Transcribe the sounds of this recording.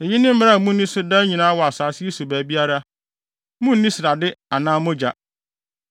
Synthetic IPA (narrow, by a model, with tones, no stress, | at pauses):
e˨jɪ˦nɪ̃˦m̩˦m˦ɾa˦˨˦mũ˦n̩˦nĩ˦sʊ˦dã˦ɲĩ˨nãː˨˦wɔ˨a˨saː˨sɪ˦e˦su˨bæ˨bi˦a˦ɾa˦ | mũ˦n̩˦nĩ˦sɪ˨ɾa˨dɪ˦a˨nãː˦mʊ̃˦d͡ʑa˨